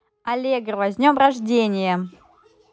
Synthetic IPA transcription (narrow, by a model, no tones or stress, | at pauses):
ɐlʲeɡrvɐzʲnʲo̞mrɐʐdʲenʲɪjə